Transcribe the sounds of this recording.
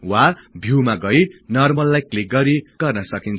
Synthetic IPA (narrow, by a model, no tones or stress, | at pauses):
wabʱiwmaɡʌjnʌrmʌlːajklik̚ɡʌɾiɡ̥ʌrnʌsʌkint͡sʰ